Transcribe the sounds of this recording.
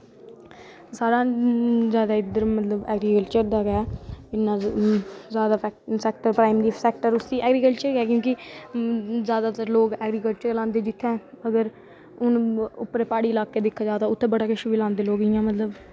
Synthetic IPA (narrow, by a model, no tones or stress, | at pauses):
saːɾãːzjaːd̪aːɪd̪əɾmət̪ləbɛːɡɾiːkəlt͡ʃəɾd̪aːɡaːɪnːãː | zjaːd̪aːsɛːk̚ʈəɾpɾaːɪmɾiːsɛːk̚ʈəɾʊsd̪iːʔɛːɡɾiːkəlt͡ʃəɾɡɛːk̬jõːkɪ | zjaːd̪aːt̪əɾloːɡɛːɡɾiːkəlt͡ʃəɾlãːnd̪eːd͡ʒɪt̪ʰːɛ̃ː | əɡəɾ | ʊnʊpːɾeːpaːɽiːlaːkeːd̪ɪkʰːaːd͡ʒaːd̪aːʊt̪ʰːẽːbəɽaːkɪʃubiːlãːnd̪eːloːɡɪjãːmət̪ləb